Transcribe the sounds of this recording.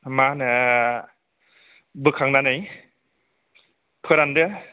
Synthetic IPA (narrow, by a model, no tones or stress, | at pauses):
manɯ | bɯkʰaŋnanɯj | pʰɯɾandɯ